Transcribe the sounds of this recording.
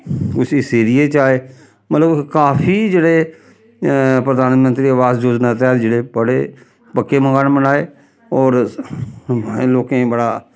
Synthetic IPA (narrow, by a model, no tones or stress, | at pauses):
kʊsiseːɾijeːt͡ʃaːeː | mət̪ləbkaːpʰiːd͡ʒeːɽeː | pɾəd̪aːnmənt̪ɾiːəʋaːzd͡ʒoːd͡ʒnaːt̪ɛːd͡ʒeːɽeːbəɽeː | pəkːeːməŋɡaːnmbənaːeː | ɔːɾ | loːkẽːbəɽaː